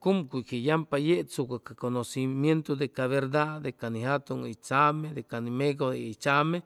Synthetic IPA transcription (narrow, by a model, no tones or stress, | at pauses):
kumkʷukejampajet͡sukakakonosimjent̪od̪ekaβeɾd̪ad̪ekanihat̪uŋit͡ʃamed̪ekanimeɡoit͡ʃame